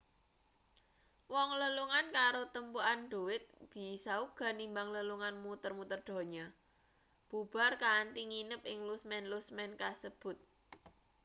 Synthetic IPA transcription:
wɔŋləluŋankaɾot̪əmpuanɖ̥ṳwɪt̪̚b̥i̤sauɡ̥a̤nimbaŋləluŋanmut̪ərmut̪ərɖ̪̥o̤ɲa | b̥ub̥a̤rkant̪iŋinəp̚ɪŋlusmɛnlusmɛnkasəb̥ʊ̤t̪̚

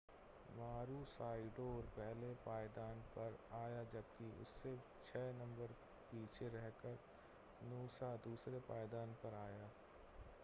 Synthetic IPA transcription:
maːɾusaːɪɖoːɾpɛɦlepaːɪd̪aːnpɐɾaːjad͡ʒɐbkiʊ̰sːe | t͡ʃʰɛːnɐ̃mbəɾ | piːt͡ʃʰeɾɛɦkəɾ | nuːsad̪uːsɾepaːjɪd̪aːnpɐɾaːjaː

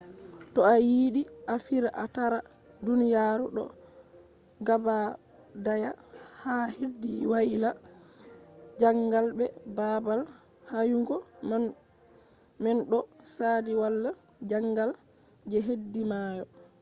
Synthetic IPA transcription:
tɔajiːɗiʔafiɾaʔataɾa | dunijaːɾuɗɔ̰ | ɡaba | dajahahedːiwaila | d͡ʒaŋɡalbɛbabal | hajuŋɡɔ | mɛnɗɔ | saːdiwalːa | d͡ʒaŋɡal | d͡ʒɛɦedːimaːjɔ

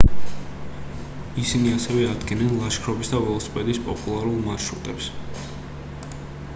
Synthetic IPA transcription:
isiniasɛvɛad̪ɡɛnɛnlˠaʃkʰɾɔbisd̪avɛlˠspʼɛd̪ispʼɔpʼulˠaɾulˠmaʃɾut̪ʼɛps

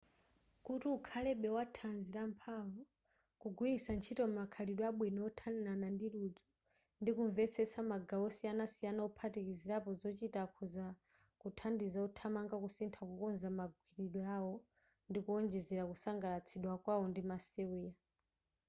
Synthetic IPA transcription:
kutuukʰalɛɓɛwatʰanziɾampʰawɔ | kuɡwiisant͡ʃʰitɔm̩makʰaliɗwaɓwinɔɔtʰanilanandiɾud͡zɔ | ndikuɱvɛt͡sʰɛsamaɡawɔsijanasijanaupʰatikiziɾapɔzɔt͡ʃitakʰɔza | kutʰandizautʰamaŋɡakusintʰakukɔnzamaɡwiɾiɗwɔawɔ | ndikuɔnd͡ʒɛzɛɾakusaŋɡalat͡sʰiɗwakwaɔndimasɛwiːja

